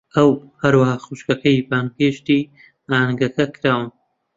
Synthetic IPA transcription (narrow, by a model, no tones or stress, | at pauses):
ʔɐw | hɐɾwɐhaːxuʃkɐkʰɐjbaːnpʰeːʃt̪iː | aːnɡɐkɐkʰɨɾaːwɨn